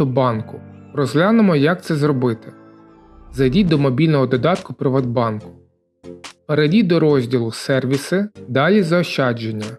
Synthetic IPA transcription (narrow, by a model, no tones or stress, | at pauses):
ɔbɑnkʊɾɔzʲlʲanʊmɔjɐk̚t̪sɛzɾɔbɪt̪ɪ | zɐjdʲid̪ɔmɔbʲilʲnɔɦɔd̪ɔd̪ɑt̪kʊpɾɪʋɐd̪̚bɑnkʊ̥ | peɾedʲid̪ɔɾɔzʲdʲilˠʊsɛrʋʲisɪd̪ɑlʲizɐɔʃɑd͡ʒenʲːɐ